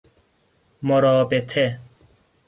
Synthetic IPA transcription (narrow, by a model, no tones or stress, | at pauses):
moɾɔːpet̪ʰe